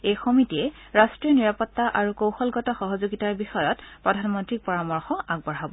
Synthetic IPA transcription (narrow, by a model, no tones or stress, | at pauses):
ejxɔmitiɛ | ɹastɹiniɹapɔtːaʔaɹukowxɔlɡɔtɔxɔɦɔzoɡitaɹbixɔjɔtpɹɔdʱanmɔntɹik̚pɔɹamɔɹxɔʔaɡ̚bɔɹɦabɔ